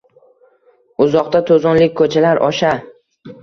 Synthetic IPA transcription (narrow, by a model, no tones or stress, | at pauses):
ʊzɒqt̪at̪ʰozɒnlɪk̚ʲkʰːɵt͡ʃʰalaɾɒʃa